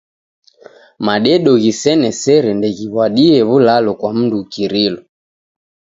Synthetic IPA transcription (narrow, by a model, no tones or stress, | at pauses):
maɗɛɗɔɣisɛnɛsɛɾɛndɛɣiβwaɗiɛβulalɔkwam̩dukiɾilɔ